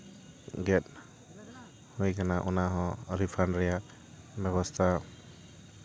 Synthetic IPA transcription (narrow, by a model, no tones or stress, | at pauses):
ɡɛt̚ | hujkʰanaʔunaɦɔ̃ɾipʰanɾɛja | bɛβɔst̪ʰa